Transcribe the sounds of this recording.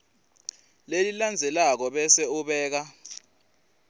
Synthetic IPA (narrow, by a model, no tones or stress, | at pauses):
leliland͡zʱɛlak̬ɔɓɛsɛuɓɛːk̬a